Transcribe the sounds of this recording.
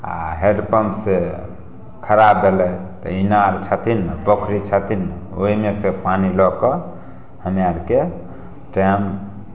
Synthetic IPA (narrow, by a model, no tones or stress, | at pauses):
a̰ɦeɖpəmpse | kʰəɾab̚d̪elɛt̪ɔ̰inaɾt͡ʃʰət̪ʰinpəkʰɾit͡ʃʰət̪ʰinoimesepanilɔkɔ | həmjaɾke | ʈam